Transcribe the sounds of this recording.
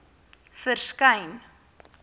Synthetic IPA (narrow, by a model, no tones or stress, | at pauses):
fɛɾ̥skajn